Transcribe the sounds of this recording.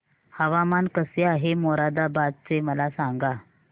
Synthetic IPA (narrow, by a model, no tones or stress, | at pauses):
həʋamankəseaɦemoɾad̪abad̪̚t͡seməlasãŋɡa